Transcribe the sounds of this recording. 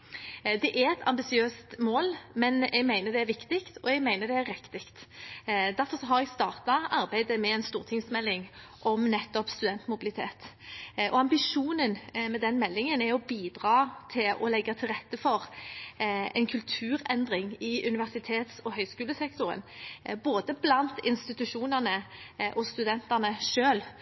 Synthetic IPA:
d̪ɛʔæɾɛt̪ʰɑ̰mbɪsɪøːst̪moːlmɛnɛɡmæɪnəd̪ɛæɾʋɪkt̪ɪkt̪ɔɛɡmæɪnəd̪ɛæɾːɛkt̪ɪkt̪ | d̪æɾfɔʁsɔɦɑɾɛɡst̪ɑːʁt̪ɑɑʁbæɪd̪əmɛɛɪnst̪uːʁt̪ʰɪŋsmɛlːɪŋʔɔmnɛt̪ːɔpst̪ʉd̪ɛnt̪mʊbɪlɪt̪ʰḛːt̪ɔɑmbɪʂuːnənmɛd̪ɛnmɛlːɪŋənæɔbiːd̪ʁɑːt̪ʰɪlɔ̰lɛɡːɑt̪ʰɪlʁɛt̪ːəfɔʁ | ɛ̰ɪnkʰʉlt̪ʰʉːɾɛnd̪ʁɪŋɪʔʉnɪʋæʁsɪt̪ʰeːt̪sɔɦœʏskʉːləsɛkt̪ʊɾə̰nboːd̪əblɑnt̪ɪnst̪ɪt̪ʉʃuːnəʁnəʔɔst̪ʉd̪ɛnt̪ɑʁnəʃøːl

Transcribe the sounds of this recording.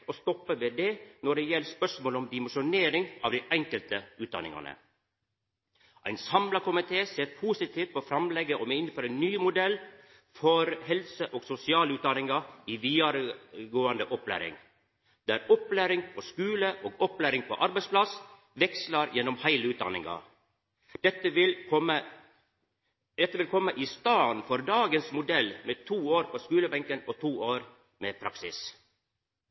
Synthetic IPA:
ost̪ɔpːəʋed̪eːnɔɖejɛlːəspœʂmoːlɔmd̪ɪməʂʊneːɾɪŋɑːʋd̪æɪʔɛŋkəlt̪əʉːt̪d̪ɑ̰nɪ̰ŋɑ̰nə̰ | ʔæɪnsɑmlɑkʰʊmɪt̪ʰeːseːɾpʰuːsɪt̪ʰiːʋt̪̚pʰɔːfɾɑmlɛɡːəʔomeɪnføːɾæɪnːyːmʊd̪ɛlː | fɔɾɦɛlsəʔoːɡsʊsɪɑːlʉːt̪̚d̪ɑnɪŋɑiːʋiːɑɾəɡoːənd̪əʔɔplæ̰ːɾɪ̰ŋ | d̪̥ææɾɔplæɾɪŋpʰoːskʉːləʔoːɡɔplæːɾɪŋpʰo̰ːʔɑɾbæɪspʰlɑs | ʋɛkslɑɾjɛnːɔmhæɪləʉːt̪̚d̪ɑ̰nɪ̰ŋɑ̰ | d̪̥ɛt̪ːəʋɪlkʰɔmə | d̪ɛt̪ːəʋɪlkʰɔmːəʔɪst̪ɑːnfɔɾd̪ɑːɡənsmʊd̪ɛlmeːt̪ʰuːoːɾpʰoːskʉːləbɛŋkənoːt̪ʰuːoːɾ | meːpʰɾɑksɪs

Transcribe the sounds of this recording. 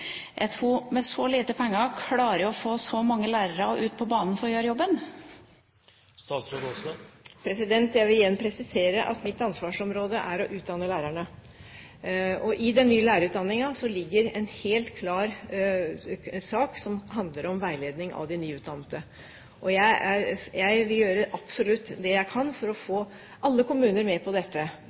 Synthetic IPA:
jʔæ̰ɪt̪ʰɾuːmɛsɔliːt̪əpʰɛŋːəɾkʰlɑːɾəʊɔfoːsɔmɑŋːəlæːɾəɾəɔʔʉːt̪̚pʰɔbɑːnn̩fɔɾjøːɾjɔbən | st̪ɑːt̪sɾod̪ɔslpʰɾɛsɪd̪ɛnt̪jæɪʋɪljɛnːpʰɾɛsɪseːɾəʔɑ̰t̪mɪt̪ːɑnsʋɑːʂɔmɾoːd̪əʔæɾɔʔʉːt̪̚d̪ɑnːəlæːɾæɳə | ɔʔɪd̪ɛnːyːəlæːɾəʉːt̪̚d̪ɑnːɪŋɑsɔlɪɡːəɾɛnheːlt̪kʰlɑːɾ | sɑːksɔmɦɑnd̪ləɾɔmʋæɪleːd̪nɪŋʔɑ̰ʋd̪ɪnyːʉːt̪̚d̪ɑnːət̪ə | ʔɔjæɪjæɪʋɪljøːɾəʔɑpsɔlʉt̪ːd̪ɛjæɪkʰɑnfɔɾɔfoː | ʔɑlːəkʊmʉːnəɾmɛpʰɔd̪ɛt̪ːə

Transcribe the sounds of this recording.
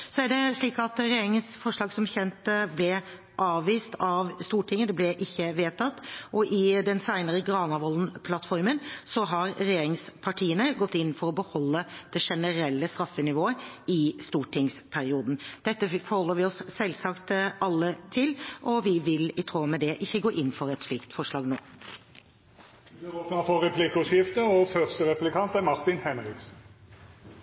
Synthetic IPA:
sɔæɖɛʂɭiːkɑt̪ɾɛjeːɾɪŋənsfɔʂɭɑːɡsɔmçɛnt̪əblɛ | ʔɑːʋːiːst̪ʰɑʋst̪uːʈʰɪŋːəd̪ɛblɛʔɪçːəʋeːt̪ʰɑt̪ːʔɔʔɪd̪ɛnsæɪnəɾəɡɾɑːnɑʋɔln̩pʰlɑt̪fɔɾmənsɔɦɑɾɾɛjeːɾɪŋspʰɑʈʰiːənəɡɔt̪ːɪnːn̩fɔɾɔbəhɔlːəd̪̥ɛʂɛnəɾɛlːəst̪ɾɑfːənɪʋoːəɪst̪uːʈʰɪŋspʰæɾɪuːd̪n̩d̪̥ɛt̪ːəfɔɾhɔlːəɾʋɪɔssɛlsɑkt̪ɑlːət̪ʰɪlʔɔʋɪʋɪlɪt̪ʰɾoːmɛd̪ɛʔɪçːəɡoːʔɪnːfɔɾɛt̪sʂɭiːkt̪fɔʂɭɑːɡno̰ː | bɪʁoːpnəfɔʁɛpʰlikəɔsɪft̪əɔfœʁst̪əʁɛplɪkʰɑnt̪æmɑʁt̪ɪnhɛnɾɪksn̩

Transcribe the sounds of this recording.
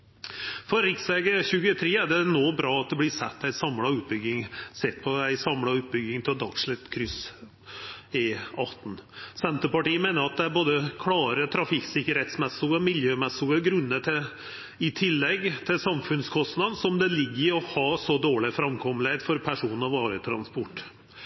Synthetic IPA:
fɔɾɾɪksɛɡəçʉːɡət̪ʰɾeːæɖɛnoːbɾɑːɑt̪̚d̪ɛblɪsɛt̪ːæɪsɑmlɑʉːt̪̚bʏɡːɪŋsɛt̪ːpʰɔæɪsɑmlɑʉːt̪̚bʏɡːɪŋt̪ʰɪld̪ɑkʂɭɪt̪kʰɾʏs | ɪɑt̪ːn̩sɛnt̪əpɑʈiːəmeːnəɾɑt̪̚d̪ɛæɾboːd̪əkʰlɑːɾət̪ʰɾɑfɪksɪkːəɾhɛt̪smɛsʊɡɔmɪljøːmɛsʊɡəɡɾʉnːət̪ʰɪ | ɪt̪ʰɪlːɛɡːt̪ʰɪlsɑmfʉnskʰɔst̪nɑd̪n̩sɔmd̪ɛlɪɡːəɔhɑːsɔd̪oːɭɪfɾɑmkʰɔmːəlheɪd̪fɔɾpʰæʂuːnn̩ɑʋɑːɾət̪ʰɾɑ̰nspɔʈː

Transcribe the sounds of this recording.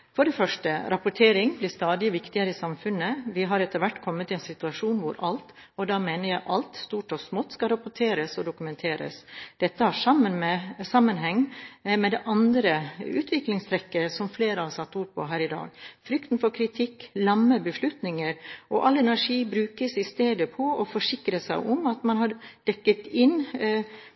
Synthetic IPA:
fɔɖɛfœʂʈəɾɑpʊʈʰeːɾɪŋblɪst̪ɑːd̪ɪʋɪkt̪ɪəɾəɪsɑmfʉnːəʋɪɦɑɾɛt̪ːəɾʋæʈːkʰɔmːət̪ɪɛnsɪt̪ʉɑʂuːnʋʊɾɑlt̪ | ɔd̪ɑːmeːnəɾjæɪʔɑlt̪st̪uːʈɔsmɔt̪ːskɑlɾɑpʊʈʰeːɾəsɔd̪ʊkʉmɛnt̪ʰeːɾə̰sd̪̥ɛt̪ːəhɑʂɑmːənmɛsɑmːənɦɛŋːmɛd̪ɛʔɑnd̪ɾəʉːt̪ʰʋɪklɪŋst̪ʰɾɛkːəsɔmfleːɾɑhɑɾsɑt̪ːuːɾpʰɔ̰ɦæːɾɪd̪ɑ̰ːɡfɾʏkt̪nfɔɾkʰɾɪt̪ʰɪkːlɑmːəbəʂlʉt̪nɪŋəɾɔʔɑlːɛnæʂiːbɾʉːkəsɪst̪eːd̪əpʰɔɔfɔʂɪkɾəsæ̰ɪʔɔmɑt̪mɑnhɑɾɖ̥ɛkːət̪ɪn

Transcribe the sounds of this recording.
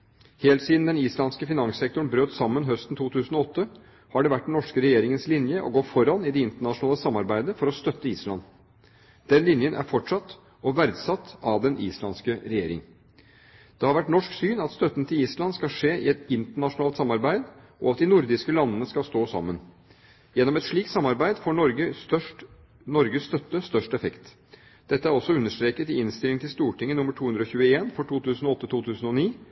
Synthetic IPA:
heːlt̪siːd̪n̩d̪ɛniːslɑnskəfɪnɑŋssɛk̚t̪ʊɳbɾøːt̪sɑmːənɦœst̪n̩t̪ʰuːt̪ʰʉːsn̩ɔɔt̪ːə | hɑɖɛʋæʈːnɔʂkəɾɛjeːɾɪŋənslɪnjəʔɔ̰ɡoːfɔɾɑnɪd̪ɛɪnt̪əɳɑʂʊnɑːləsɑmːɑɾbæɪd̪əfɔɾɔst̪œt̪ːəiːslɑ̰n | d̪̥ɛnlɪnjənʔæ̰ɾfɔʈʂɑt̪ː | ɔʋæɾd̪sɑt̪ːɑʋd̪ɛnʔiːslɑnskəɾɛjeːɾɪ̰ŋ | d̪̥ɛhɑɾʋæʈnɔʂksyːnɑt̪st̪œt̪ːənt̪ʰɪliːslɑnskɑʂeːʔɪ̰ɛt̪ɪnt̪əɳɑʂʊnɑːlt̪sɑmːɑɾbæɪd̪ | ʔɔ̰ɑt̪̚d̪ɪnʊɾd̪ɪskəlɑnːənəskɑlst̪oːsɑ̰mːən | jɛnːɔmɛt̪ʂɭiːkt̪sɑmːɑɾbæɪd̪foːɔɾɡə | nɔɾɡəst̪œt̪ːəst̪œʂʈɛfɛkt̪ | d̪̥ɛt̪ːəæɾɔsːɔʉnːəʂt̪ɾeːkət̪ɪɪnst̪ɪlɪŋt̪ɪst̪uːʈɪŋːənʊmːəʈʰuːʉnd̪ɾɔçʉːəeːnfɔʈʰuːt̪ʰʉːsnɔɔt̪ːət̪ʰuːt̪ʰʉːsn̩ɔniː

